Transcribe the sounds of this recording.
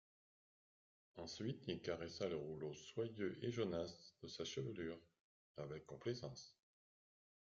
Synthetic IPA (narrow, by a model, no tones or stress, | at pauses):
ɑ̃sɥit̪ilkaʁɛsaləʁuloswajøʔeʒənasd̪̥əsaʃəvəlyːʁ | avɛkːɔ̃plezɑ̃s